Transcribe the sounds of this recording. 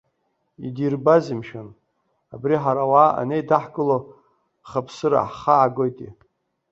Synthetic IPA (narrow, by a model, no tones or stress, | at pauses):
idirbazimʃan | abriħaɾawaːʔa̰nejdaħɡɨlo | χapʰsɨɾa̰ħχaːɡojtʼḭ